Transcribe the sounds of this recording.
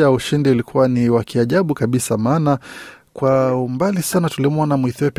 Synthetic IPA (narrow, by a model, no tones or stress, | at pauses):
uʃindiulikʰuwaniwakʰiaʄaɓukaɓisamaːnakwaumbalisanatulimuanamuiθiɔp